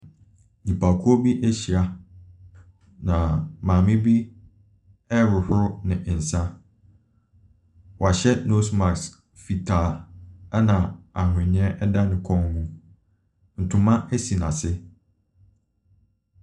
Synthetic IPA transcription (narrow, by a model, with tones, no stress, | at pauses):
ɲĩ˨pʰa˨kʰu˦ɔ˦bi˦ʔe˦ɕi˨a˨ | nã˨mãː˨mɪ̃˦bi˦ | ɛ˦ɾʊ˨hɾʊ˦nɪ̃˨ʔn̩˨sã˦ | wɔ˨a˨ɕɛ˦no˦sma˨ks | fi˨tʰaː˨ɛ˦nã˨a˨ɦʊ̃˨ɲɪ̃˦ɛ˦ʔɛ˦da˦nɪ̃˨kʰɔ̃˦ŋhũ˦ | n̩˨tʰʊ̃˨mã˦ʔe˦si˨nã˨sɪ˦